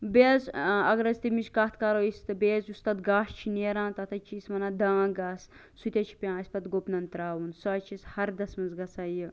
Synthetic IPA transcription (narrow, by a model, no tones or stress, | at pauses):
bezɐɡɐɾɐzt̪imiʃkɐt̪ʰkaːɾoːist̪ɨbeːzust̪ad̪ɡaːst͡ʃʰineːɾãːnt̪ɐt̪ʰɐt͡ʃʰiːsmɐnaːd̪ãːɡaːs | sut̪ʲat͡ʃʰi̥pʲãːɐsʲpɐt̪ɡopnɐnt̪ɾaːwunsaːt͡ʃʰishɐɾd̪ɐsmɐnzɡɐsaːjə